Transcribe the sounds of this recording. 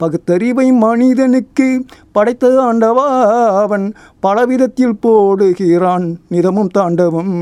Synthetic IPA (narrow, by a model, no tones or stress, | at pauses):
pɐɣɯt̪ːɐɾɪʋɐɪmɐɳɪðɐnɯkːɯpɐɽɐɪt̪ːɐaːɳɖɐʋaːɐʋɐn | pɐlɐʋɪðɐt̪ːɪlpoːɽɯɣɪraːnnɪðɐmɯmt̪aːɳɖɐʋɯm